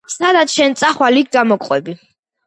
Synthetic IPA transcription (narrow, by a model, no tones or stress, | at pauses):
sad̪at̪sʃɛnt̪sʼaχwaliik̚ʰd̪amɔkʼqʼwɛbi